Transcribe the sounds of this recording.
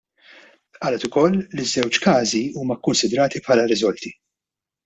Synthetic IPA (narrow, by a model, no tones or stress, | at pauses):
ʔɐːlɛt̪ʊkɔlːizːɛwt͡ʃkɐːziuːmɐkːʊnsɪd̪ɾɐːt̪ipħɐlɐɾɪzɔlt̪i